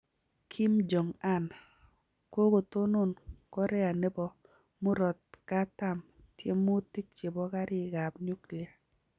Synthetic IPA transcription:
kʰi˦md͡ʒɔ˨ŋa˦˨na˨ | ko˦ko˨to˦no˦˨nkɔ˦ɾɛ˦a˨ne˦bɔ˦ | mu˦ɾɔ˨t̚ka˦ta˦˨m | tje˦mo˦ti˦k̚t͡ʃe˨bɔ˦ka˦ɾɪ˦ɡa˨bɲu˦kli˨a˨

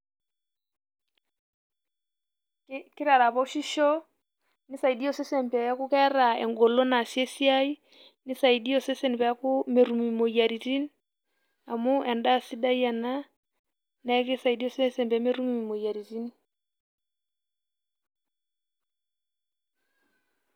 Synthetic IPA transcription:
kɪ˦ɾa˨ɾa˨pɔ˦ʃi˦ʃɔ˦ | nɪ˦sa˨i˨di˦ɔ˦˨sɛ˦sɛ˨mpɛ˨ja˦kʊ˦kɛ˦ɾa˨ɛ̰˨ŋɡɔ˨lɔ˦na˨si˦ɛ˦si˦a˦i˦ | nɪ˦sa˨i˨di˦ɔ˨sɛ˦sɛ˦n˨pɛ˨˦ku˦mɛ˨ɾu˨mi˨mo˨ja˨ɾi˨ti˦n | a˨mu˦ɛ˨nda˦˨si˦da˦i˦a˨na˦ | na˨˦ɛ˦kɛ˦sa˨i˨di˦ɔ˦sɛ˦sɛ˨mpɛ˨˦mɛ˦ɾu˦mi˨mi˨mo˨ja˨ɾi˨ti˦ni˦

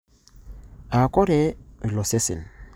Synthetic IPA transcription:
a˨kɔ˦ɾɛ˦˨lɔ˨se˦sḭ˨n

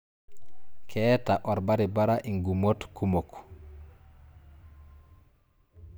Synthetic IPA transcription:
kʰɛːta˨ʔɔ˨ɾba˦ɾi˨ba˦ɾa˦ʔi˨ŋɡu˨mo˦tku˦mo˨k

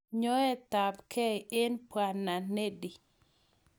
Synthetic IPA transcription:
ɲo˦e˦t̪a˨pkʰe˦e˦npwa˨nːa˨ne˦di˨

